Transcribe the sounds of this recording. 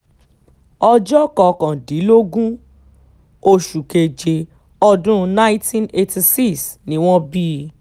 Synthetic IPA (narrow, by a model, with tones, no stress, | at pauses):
ɔ˧d͡ʒɔ˦kɔ˨kã˨di˨˦lo˦ɡũ˦ | o˧ʃu˨ke˨d͡ʒe˨ | ɔ˧dũ˦˧nã˦j̃tĩ˦ne˧ti˧si˦ksnĩ˨˦w̃ɔ̃˦bi˦